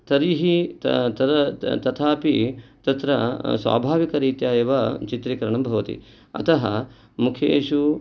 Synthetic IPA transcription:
t̪ɐɾiɦit̪t̪ɐt̪ɐt̪ʰaːpit̪ɐt̪ɾɐsʋa̰ːbʱaːʋikɐɾiːt̪jaːjɐʋɐt͡ʃit̪ɾikɐɾɐɳɐmbʱɐʋɐt̪ḭ | ɐ̰t̪ɐɦɐ | mukʰjeːʂu

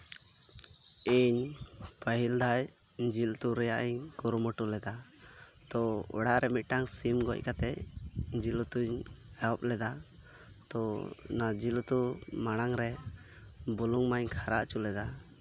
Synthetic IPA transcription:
iɲpəɦild̪aj | d͡ʒilt̪uɾɛjaʔiɲkuɾumɔʈulɛd̪a | t̪ɔɔ̰ɽaʔɾɛmit̪̚ˀʈaŋsimɡɔ̰c̚ˀkat̪ɛcd͡ʒilɔt̪uɲɛɔp̚lɛd̪a | t̪ɔnad͡ʒilt̪umaɽ̃aŋɾɛ | buluŋmaɲkʰaɾaʔt͡ʃulɛd̪a

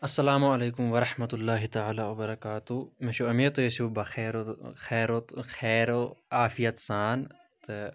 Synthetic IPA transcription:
ɐsːɐlaːmuɐleːkumʋɐɾɐħmɐt̪ulːaːɦit̪aʕaːlaːwɐbɐɾɐkaːt̪umɐʃuʔɐmit̪ujesubɐxeːɾxeːɾot̪xeːɾoʔaːfijɐt̪saːn | t̪ɨ

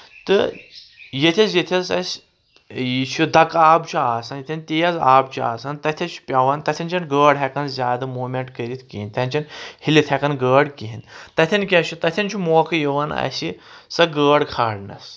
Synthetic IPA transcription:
t̪ɨ | jet̪ʰʲɐsjet̪ʰʲɐzɐsʲ | jit͡ʃʰud̪ɐkaːbt͡ʃʰuaːsɐnjit̪ʰʲɐnʲt̪ejɐzaːbt͡ʃʰua̰ːsɐnt̪ɐt̪ʲʰɐt͡ʃʰpʲɐʋɐnt̪ɐt̪ʲʰɐnʲt͡ʃʰɐnɡəːɽɦʲɛkɐnzʲaːd̪ɐmoːmʲeɳʈkəɾit̪ʰkinʲt̪ʲʰɐnʲt͡ʃʰɐnhilit̪ʰhʲɛkɐnɡəːɽkiɦint̪ɐt̪ʰʲɐnʲkʲɐt͡ʃʰut̪ɐt̪ʲʰɐnʲt͡ʃʰumoːkʰɨjiʋɐnɐ̰si | sɐɡəːɽkʰaːɽnɐ̰s

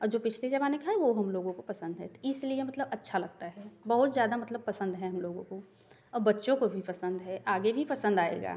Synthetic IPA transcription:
ɔːɾd͡ʒoːpɪt͡ʃʰled͡ʒɐbaːnekʰaːeʋoɦɐmloːɡõkopɐsə̃nd̪ɦɛ̰t̪oɪsliemɐt̪ləbɐtːʃʰalɐɡ̚t̪aɦɛːbɐɦʊt̪zjaːd̪amɐt̪ləb̚pɐsə̃nd̪ɦɛ̃ɦɐmloːɡõ̰ko | ɔːɾbɐtːʃõkobʱipɐsə̃nd̪ɦɛʔaːɡebʱipɐsə̃nd̪aːḛːɡa̰ː

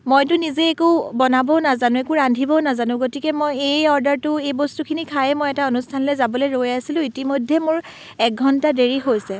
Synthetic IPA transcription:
mojtʊnizeːkubɔnabɔnazanʊ̃ɛkuɹandʱibɔnazanʊ̃ɡotikɛmojejɔɹdaɹtʊejbostukʰinikʰajɛmojɛtaonustʰanlejzabɔloɹojasilʊ̃itimojdʱːɛmʊɹ | ɛk̚ɡʱɔntadeɹiɦojsɛ

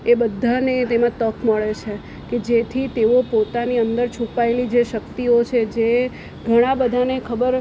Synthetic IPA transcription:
ebəd̪ʱːanet̪emãt̪əkməɭet͡ʃʰe | ked͡ʒet̪ʰit̪eopot̪aniənd̪əɾt͡ʃʰũpaelid͡ʒeʃəkt̪iot͡ʃʰed͡ʒe | ɡʱəɽ̃ãbəd̪ʱanekʰəbəɾ

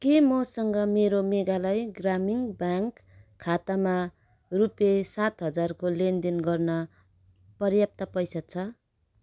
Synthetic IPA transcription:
kemʌsʌŋɡʌmeɾomeɡalajɡramiŋbaŋkʰːat̪ama | rupesat̪ɦʌd͡zarkolend̪inɡʌrnʌ | pʌrjap̚t̪ʌpʌjsat͡sʰʌ

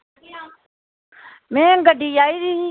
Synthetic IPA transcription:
mɛ̃ːɡəɖiːaːiːɾɪɦĩː

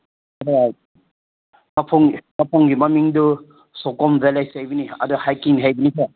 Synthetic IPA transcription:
adɔ | mapʰɔŋnapʰɔŋɡimamiŋdu | sɔkɔmbelajsajbiniɐ̰dɔhajkiŋɦajbinisʰa

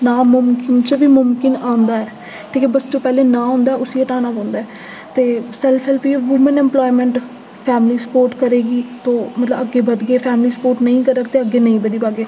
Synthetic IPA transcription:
naːmʊmkɪnt͡ʃʋiːmʊmkɪnãːnd̪aːɛː | ʈʰiːkɛːbəst̪opɛːleːnãːɦõːnd̪aːʔʊsiːeʈaːnaːpõːnd̪aːɛː | t̪eːsɛlpʰɛlpiːʋuːmənɛ̃mplɔːimɛ̃ːɳʈ | pʰɛːmliːsə̥poːɾʈkəɾeːɡiːt̪õːmət̪ləbəɡːeːbəd̪ɡeːpʰɛːmliːsə̥poːɾʈnəĩːkəɾəkt̪eːəɡːeːnəĩːbəd̪iːbaːɡeː

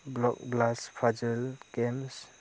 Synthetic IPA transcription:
blɔk̚blaspʰad͡ʒəlɡems

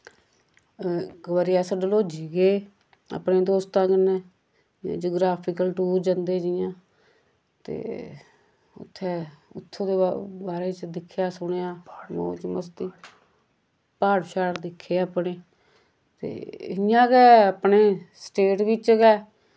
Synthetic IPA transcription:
ɡəʋəɾiaːsəɖəloːd͡ʒiːɡeː | ə̰pneːd̪oːst̪ãːkɪnḛ̃ː | d͡ʒoːɡɾaːpʰɪkəlʈuːɾd͡ʒənd̪eːd͡ʒɪjãː | t̪ḛː | ʊ̰t̪ʰːeːʊ̰t̪ʰːõːd̪eːbaːɾeːt͡ʃd̪ɪkʰːjaːsʊɽ̃ejaːmo̰ːt͡ʃməst̪iː | paːɽʃaːɾd̪ɪkʰːeːəpɽeː | t̪ḛːɪjãːkɛːəpneːsʈeːʈʋɪt͡ʃkɛː

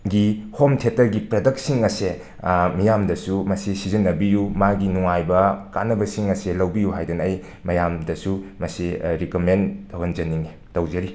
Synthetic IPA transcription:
ɡihomtʰetɐɾɡipɾɐdɐk̚siŋɐse | mijamdɐsumɐsisizinːɐbijumaɡinuŋajbɐkanɐbɐsiŋɐselɐwbijuɦajdɐnɐɐj | mɐjamdɐsumɐsiɾikomentʰɐwhɐnd͡ʒɐniŋi | tɐwzɐɾi

